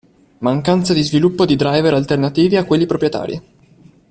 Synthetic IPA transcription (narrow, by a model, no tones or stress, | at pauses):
maŋkant̪sad̪izvilupːod̪id̪ɾajveɾalt̪ernat̪iːviakːwelːipɾopɾjet̪a̰ːɾjḭ